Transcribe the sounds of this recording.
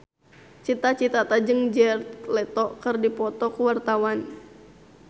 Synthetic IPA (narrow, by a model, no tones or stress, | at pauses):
t͡ʃit̪at͡ʃit̪at̪ad͡ʒɨŋd͡ʒɛrt̪̚lɛt̪ɔkərdipɔt̪ɔkuwart̪awan